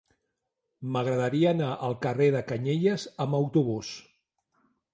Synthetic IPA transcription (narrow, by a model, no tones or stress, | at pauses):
məɣ̞ɾəðəɾiəːnaʔəlˠkəreðəkəɲeʎəzəməwt̪uβ̞us